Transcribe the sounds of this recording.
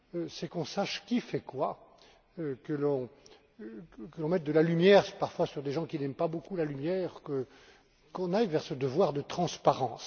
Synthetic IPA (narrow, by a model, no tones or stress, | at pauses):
øsɛkɔ̃saʃkʲifɛkwa | økəlɔ̃ | kəlɔ̃mɛt̪̚d̪əlalymjɛʁpaʁfwasyʁd̪eʒɑ̃kʲinɛmpabokulalymjɛːʁkə | kɔ̃najvɛʁsəd̪əvwaʁd̪ət̪χɑ̃spaʁɑ̃s